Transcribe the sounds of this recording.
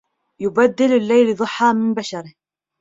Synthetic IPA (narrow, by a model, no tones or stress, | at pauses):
jʊbad̪ːɪlalːajld̪ˤʊħːaːmɪnbaʃɑɾɪh